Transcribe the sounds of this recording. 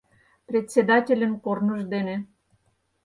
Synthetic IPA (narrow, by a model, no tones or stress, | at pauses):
prʲet̪ʲsʲed̪ɑtʲelʲə̆nkornə̆ʒd̪ene